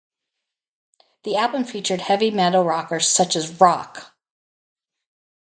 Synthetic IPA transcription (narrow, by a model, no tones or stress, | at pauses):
ðiælˠbə̃ɱfit͡ʃə˞d̚hɛvimɛɾl̩ˠɹɑkə˞z̥sʌt͡ʃɨzɹɑk